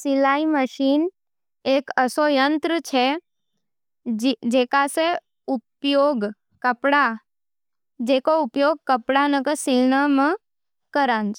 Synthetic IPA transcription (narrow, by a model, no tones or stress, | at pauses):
silaiməʃin | ekəsojənt̪ɾət͡ʃʰe | d͡ʒekase | upjoɡ | kəpɽa | d͡ʒekoupjoɡ̚kəpɽanəkəsɪlnəmə̃ | kəɾãnd͡ʒ